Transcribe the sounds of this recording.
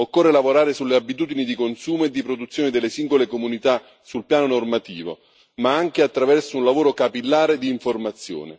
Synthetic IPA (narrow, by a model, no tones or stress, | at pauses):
okːorːelavoɾaːɾesulːeabːit̪̬uːd̪inid̪ikonsuːmoed̪ːipɾod̪ut̪sːjoːnid̪elːesiŋɡolekomunit̪a | sulpjaːnonormat̪ḭːvo̰ | maaŋk̟eat̪ːɾavɛrsounlavoːɾokapilːaːɾed̪iːɱformat̪sːjo̰ːnḛ